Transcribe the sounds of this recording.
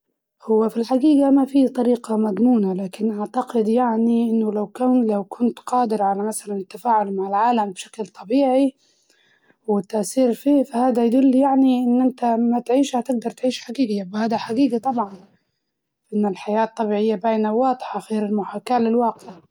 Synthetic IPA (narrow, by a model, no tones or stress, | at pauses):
hʊwːafilħaɡiːɡamafit̪ˤɑɾiːqɑmad̪ˤmuːnalaːkɪnʔaʕt̪aqɪd̪jaʕniʔɪnːʊlawkanlawkʊnt̪qɑːd̪ɪɾʕalamasalanɪt̪ːafaːʕʊlmaʕɪlʕaːlambʃḁklt̪ˤɑbiːʕi | wɪt̪ːaʔθiːɾfiːfahaːd̪ajd̪ʊlːjaʕniʔɪnːʔɪnt̪amat̪ʕiːʃhat̪ɪɡ̚d̪ɑɾˤt̪ʕiːʃħaɡiːɡjabhaːd̪aħaɡiːɡit̪ˤɑbʕɑn | faʔɪnːalħajaːt̪ˤːɑbiːʕɪjːabaːjnawɑːd̪ˤħɑxeːɾɪlmʊħaːkaːlɪlwɑːqɪʕa